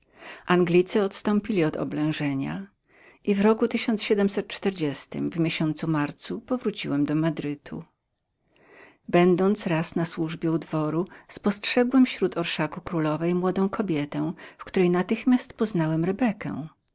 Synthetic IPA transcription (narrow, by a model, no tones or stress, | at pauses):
ʔaŋɡlʲit̪sɘɔt̪st̪ɔ̃mpʲilʲiɔd̪ɔ̰blɛ̃w̃ʐɛɲa̰ | ʔivɾɔkut̪ɘɕɔnsɕɛd̪ɛmsɛt̪̚t͡ʂt̪ɛɾd͡ʑɛst̪ɘ̰mvmʲjeɕɔnt̪sumaɾt̪supɔvɾut͡ɕiwɛmd̪ɔmad̪ɾɘt̪ʰṵ | bɛnd̪ɔnt̪sɾasnaswuʐbʲjɛud̪vɔɾuspɔstʂɛɡwɛmfɕɾut̪ʰɔɾʂakukɾulɔvɛjmwɔd̪ɔ̃w̃kʰɔbʲjɛt̪ɛw̃fkt̪uɾɛjnat̪ɘxmʲjast̪pɔznawɛmɾɛbɛkɛ̰̃